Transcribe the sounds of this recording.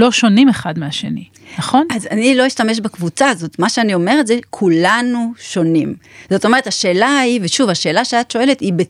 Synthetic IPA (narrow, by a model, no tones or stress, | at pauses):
lo̞ʃo̞nimeχadmeaʃḛnḭ | naχo̞nazanilo̞iʃtameʃ̬bakvut͡sazo̞tmaʃeanio̞me̞ʁetze̞kʰulanuʃo̞nimz̥o̞t̪ome̞etaʃe̞ːlaiveʃuvaʃe̞ːlaʃeatʃo̞e̞letibe